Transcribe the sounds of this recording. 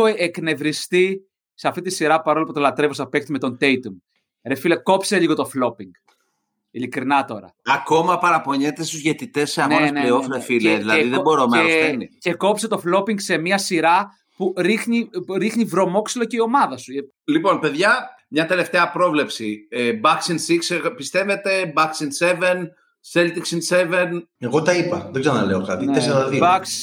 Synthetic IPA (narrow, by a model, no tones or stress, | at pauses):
oekne̞vɾist̪i | seɐft̪it̪isiɾɐpɐɾo̞lɐpot̪olɐt̪ɾe̞vosɐpekt̪ime̞t̪o̞nd̪ejt̪um | ɾefileko̞pse̞liɣo̞t̪o̞flo̞piŋɡ̥ | ilikɾinɐt̪o̞ɾɐ̰ɐko̞mɐpɐɾɐpo̞ɲet̪e̞st̪uzʝet̪it̪e̞sseɐnoesneleofɾefileðilɐeiðebo̞ɾomesenice̞ko̞pse̞t̪o̞flo̞piŋɡse̞miɐsiɾɐ | puɾixniɾixnivɾo̞mo̞ksilo̞ceio̞mɐðɐsue | lipo̞npe̞ðʝɐ | mɲɐt̪e̞left̪e̞ɐpɾo̞vle̞psiebɐksinsiksepist̪e̞ve̞t̪e̞bɐksinse̞ve̞n | se̞lt̪iksinse̞ve̞neɣot̪ɐipɐðekzeɐnɐleokɐt̪ineesibɐks